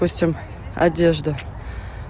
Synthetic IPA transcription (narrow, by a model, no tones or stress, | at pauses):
usʲtʲɪm | ɐ̰dʲeʐd̪ə